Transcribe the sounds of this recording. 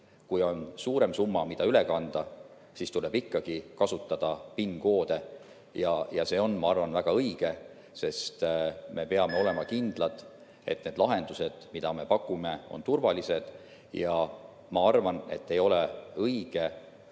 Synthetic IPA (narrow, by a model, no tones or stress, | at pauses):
kujo̞nsuːɾe̞msumːɑmid̪̥ɑyle̞kɑnd̪̥ɑ | sist̪ule̞b̥ikːɑɡ̥ikɑsut̪ːˑɑd̪̥ɑpinːɡ̥o̞ːd̪̥e̞ | jɑjɑse̞ːo̞nmɑɑrvɑnvæɡ̥ɑɤiɡ̥e̞ | se̞st̪me̞pe̞ɑme̞o̞le̞mɑkind̪̥lɑd̪̥ | e̞̰t̪ne̞d̪̥lɑɦe̞nd̪̥use̞d̪̥mid̪̥ɑme̞pɑkːˑume̞o̰nt̪urvɑlise̞d̪̥ | jɑ | mɑɑrvɑne̞̰t̪ːe̞jo̞le̞ɤjɡ̥e̞